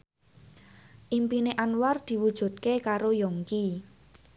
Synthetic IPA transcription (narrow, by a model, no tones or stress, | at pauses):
ʔimpineʔanward̪̥i̤wud̥ʒ̥ṳt̪̚kekaɾojɔŋki